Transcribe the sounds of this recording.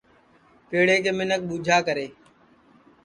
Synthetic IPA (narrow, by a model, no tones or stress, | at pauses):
peːɽeːkeːmɪnək̚ɓuːd͡ʒʱaːkəɾeː